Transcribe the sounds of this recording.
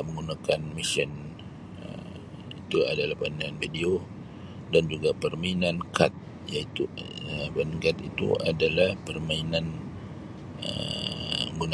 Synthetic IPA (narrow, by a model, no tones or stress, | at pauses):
məŋɡunakanmisən | ə | it̪ua̰dalahpanianfideo | dand͡ʒuɡapərmainankat̪̚ | jait̪ubanəkat̪it̪ṵʔa̰dalahpərmainan | ə̰ | ŋɡuna